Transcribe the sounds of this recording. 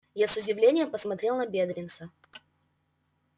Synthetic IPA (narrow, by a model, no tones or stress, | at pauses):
jasʊdʲɪvlʲenʲɪjəmpəsmɐt̪ɾʲe̞lˠnɐbʲed̪ɾʲɪnt̪sə